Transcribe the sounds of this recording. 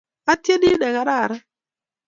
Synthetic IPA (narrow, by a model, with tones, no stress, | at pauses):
a˦tje˦di˦nɛ˨ɣa˦ɾa˦˨ɾɛ˦